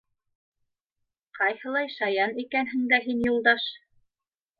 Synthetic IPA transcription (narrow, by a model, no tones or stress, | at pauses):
qʰɑjhɤ̆lˠɑjʃɑjɑnikænɦɘ̆ŋd̪æɦinjulˠd̪ɑʃ